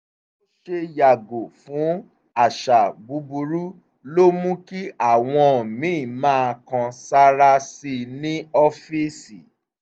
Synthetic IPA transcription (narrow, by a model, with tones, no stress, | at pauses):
o˦ʃe˦ja˨ɡo˨fũ˨˦ | a˨ʃa˨bu˨˧˦bu˧ɾu˦ | lo˦mũ˦ki˦ʔa˦˨w̃ɔ̃˧˨mĩ˨˦˨mãː˦˧kã˧sa˦ɾa˦si˧nĩ˦ɔ˦fi˦si˨